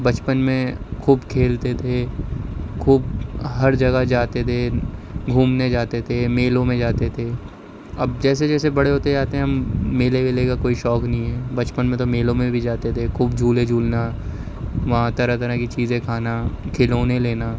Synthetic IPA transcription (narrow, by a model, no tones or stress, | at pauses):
bɐt͡ʃpənmẽkʰuːbkʰeːlt̪et̪ʰe | kʰuːbɦɐɾd͡ʒɐɡad͡ʒaːt̪et̪ʰeɡʱuːmned͡ʒaːt̪et̪ʰemeːlõmẽd͡ʒaːt̪et̪ʰe | ɐbd͡ʒɛːs̬ed͡ʒɛːsebɐɽeɦoːt̪eaːt̪eɦɛ̃ɦɐmːeːleʋelekakoːiʃɔːknəɦĩɦɛːbɐt͡ʃpənmẽt̪̬omeːlõmẽbʱid͡ʒaːt̪et̪ʰekʰuːbd͡ʒʱuːled͡ʒʱuːlna | ʋɐɦãt̪ɐɾat̪ɐɾəkit͡ʃiːzẽkʰaːnakʰeloːnẽleːna